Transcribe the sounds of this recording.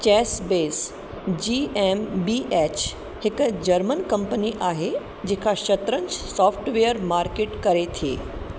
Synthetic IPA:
t͡ɕɛːsbeːs | d͡ʑiːɛmbiʔɛt͡ɕ | hɪkd͡ʑəɾmənkɐ̃mpəniʔaːɦe | d͡ʑeːkʰaʃɐt̪ɾə̃ɲt͡ʃsɔːpʰʈʋejəɾmaːɾkeʈkɐɾet̪ʰḛː

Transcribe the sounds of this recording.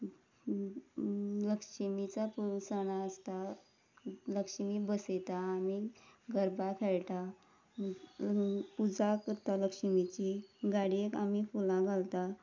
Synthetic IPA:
ləkʂəmit͡sapuusəñaəst̪a | ləkʂmiːbəset̪aːmiɡəɾbakʰɛɭʈ̪a | pud͡zakəɾt̪aləkʂəmit͡ɕiɡaɽiekamifulãɡʱalt̪a

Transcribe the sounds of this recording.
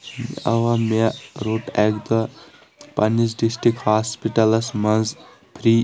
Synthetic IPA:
mɐ̰ʋameɾoːʈɛɡd̪ə | pɐnːis̬ɖisʈɾikhaːspiʈɐlɐsmɐnz | pʰɾi

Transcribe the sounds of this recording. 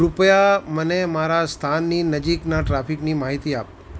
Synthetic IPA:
ɾʊpjamənemaɾast̪ʰanːinəd͡ʒiknaʈɾapʰiknimaɦit̪iap̚

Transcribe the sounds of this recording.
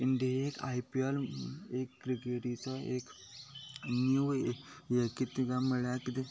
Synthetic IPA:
iɳɖieka̰jpialekːɾikeʈit͡sɔek | nju | jekit̪iɡamiɭjakit̪e

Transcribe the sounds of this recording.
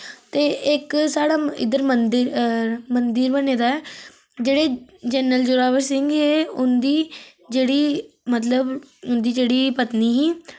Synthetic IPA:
t̪eːʔɪksaːɽaːɪ̰d̪əɾmənd̪ɪɾmənd̪ɪɾbəneːd̪aːɛː | d͡ʒeːɽeːd͡ʒɛːnəld͡ʒʊːɾaːʋəɾsɪŋɡeːʊnd̪iː | d͡ʒeːɽiːmət̪ləbʊnd̪iːd͡ʒeːɽiːpət̪niːɦiː

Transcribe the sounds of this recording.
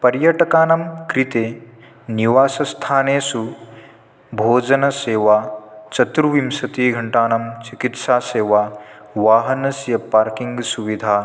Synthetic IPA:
pɐɾjɐʈɐkaːnɐmkɾit̪eː | niʋaːsɐst̪ʰaːneːsu | bʱoːd͡ʒɐnɐseːʋaːt͡ʃɐt̪ɾuʋimsɐt̪iːɡʱɐɳʈaːnɐmt͡ʃikit̪saːseːʋaː | ʋaːɦɐnɐsjɐpaːɾkiŋɡsuʋid̪ʱaː

